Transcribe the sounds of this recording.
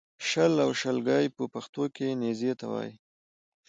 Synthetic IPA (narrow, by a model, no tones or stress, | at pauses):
ʃəlawʃəlɡɑjpəpaxt̪okenezet̪a̰wɑ̰j